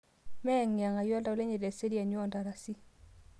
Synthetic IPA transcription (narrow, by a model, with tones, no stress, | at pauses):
mɛ˦˨ŋja˨ŋa˨jɔ˦lda˨u˦le˦ɲe˨de˨se˦ɾi˦a˨ɲ˦ɔ˦˨nda˨ɾa˨si˦